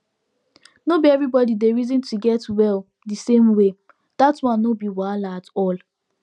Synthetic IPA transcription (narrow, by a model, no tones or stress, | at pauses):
nobiɛvɹibɔdideɹizĩntʰuɡɛtwɛl | disẽmwe | d̥atwãnːobiwalaatɔl